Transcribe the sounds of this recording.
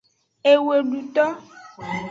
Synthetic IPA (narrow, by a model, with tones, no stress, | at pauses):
e˨we˨ɖu˨t̪ɔ˦